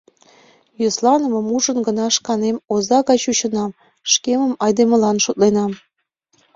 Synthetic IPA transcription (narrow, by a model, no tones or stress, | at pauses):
joslɑnəməmuʒənɡənɑʃkɑnemozɑɣɑjt͡ɕuɕə̆nɑm | ʃkeməmɑjd̪emə̆lɑnʃot̪̚lenɑm